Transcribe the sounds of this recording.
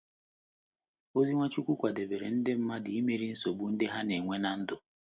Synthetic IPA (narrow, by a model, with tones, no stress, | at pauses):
o˦zi˦ŋʷa˦t͡ʃu˦kʷu˦kʷa˨de˨be˨ɾe˨n̩˦dɪ˦m̩˦ma˦dɪ˨i˦me˨ɾi˦n̩˦so˨bu˨n̩˦dɪ˦ɦa˦ne˨ŋʷe˦na˨n̩˦dʊ˨